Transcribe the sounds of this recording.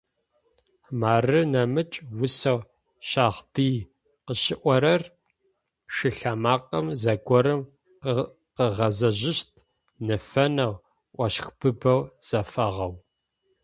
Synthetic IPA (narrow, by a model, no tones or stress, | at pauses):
maːrɨnɐmɨt͡ʃʼwʊsɐʁ | ʃaːʁdiː | qəʃɪʔʷɔɾɐr | ʂɨɬamaːqʼɐmzɐɡʷɔɾɨm | q | qəʁɐzɐʑɪɕtʰ | nɨfɐnɐʁ | ʔʷɐɕxb̥ɨbɐwz̥ɐfɐʁɐw